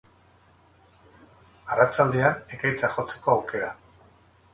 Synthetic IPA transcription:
arat͡ʃald̪eanekajt͡saxo̞t͡se̞̥ko̞awke̞ɾa

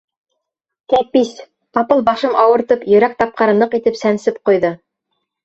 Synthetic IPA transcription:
t̪æp̚pis | ɑpɤlˠbɑʃɤmɑwɤ̆ɾt̪ɤpjɵ̆ɾæk̚t̪ɑp̚qɑɾɤ̆nɤqit̪ɘpsænsɘp̚qŏjðɤ

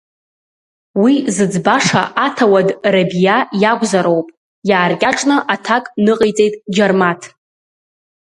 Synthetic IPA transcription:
wizɨd͡zbaʂa̰ʔatʰawadrabijajaɡʷʼzaɾowpʼ | jaːrkʲʼaʈ͡ʂʼnɨʔatʰakʼnɨqʼijt͡sʼe̞jtʼd͡ʒarmatʰ

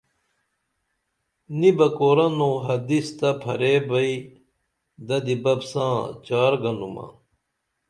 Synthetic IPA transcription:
nibɐkoːɾɐnõːɦɐd̪ist̪ɐpʰɐɾeːbɐi | d̪ɐd̪ibɐbsãːt͡ɕaːɾɡɐnumɐ̰

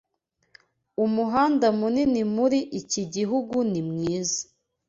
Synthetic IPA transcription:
umuɦaːndamuninimuɾiʔiciɟiɦuɡunimŋiːzḁ

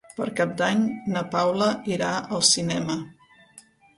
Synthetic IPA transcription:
pəɾkap̚d̪aɲnəpawləiɾaʔəlˠsinɛmə

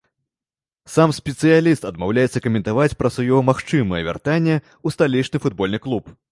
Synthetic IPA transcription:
samsʲpʲɛt̪sɨjalʲist̪ɐd̪mawlʲajɛt̪sɐkɐmʲɛnt̪avat͡sʲpɾɐsvajɔmaxt͡ʂɨmɨjɛvʲa̰rt̪anʲːɛ | ust̪alʲit͡ʂnɨfud̪̚bɔlʲnɨklˠup

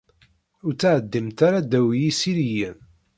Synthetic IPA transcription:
ʊɾt͡sːaʕəd̪ːimt̪aɾad̪æwijisiɾijən

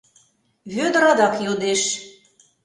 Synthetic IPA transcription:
βød̪əɾɑd̪ɑkjod̪eʃ

